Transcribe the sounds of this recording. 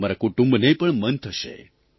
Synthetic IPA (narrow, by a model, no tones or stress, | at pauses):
maɾakuʈũmbnepəɳmənt̪ʰəʃḛ